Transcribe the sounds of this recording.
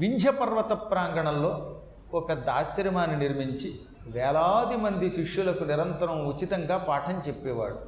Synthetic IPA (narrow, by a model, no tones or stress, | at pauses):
ʋiɲd͡ʒʱɐpɐɾʋɐt̪ɐpːɾaːŋɡɐɳɐlːo̞ː | ɔkɐd̪aːʃɐɾimaːniniɾmiɲt͡ʃi | ʋɛːlaːd̪imɐnd̪iʃiʂjulɐkuniɾɐnt̪ɐɾɐmut͡ʃit̪ɐŋɡaːpaːʈʰɐɲt͡ʃepːɛːʋa̰ːɽu